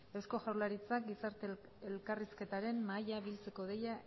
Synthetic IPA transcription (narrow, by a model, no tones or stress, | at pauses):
e̞wsko̞ʝawlaɾit͡sak̚ɡisaɾt̪e | elkariske̞t̪aɾe̞mmajaβilt͡se̞ko̞ðe̞ja